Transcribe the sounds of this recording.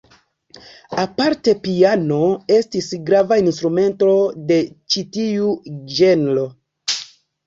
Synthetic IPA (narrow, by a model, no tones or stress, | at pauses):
apaɾte̞piano̞e̞stisɡɾavainstɾume̞nto̞de̞t͡ʃitiud͡ʒe̞nlo̞